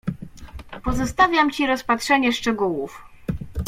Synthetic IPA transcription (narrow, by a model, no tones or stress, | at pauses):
pɔzɔst̪avʲjamt͡ɕiɾɔspatʂɛɲɛʂt͡ʂɛɡuwuf